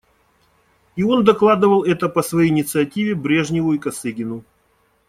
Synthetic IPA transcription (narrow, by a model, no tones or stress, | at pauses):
io̞nd̪ɐklˠad̪ɨvəlˠɛt̪əpəsvɐjejɪnʲɪt̪sɨɐtʲivʲɪbɾʲe̞ʐnʲɪvʊikɐsɨɡʲɪnʊ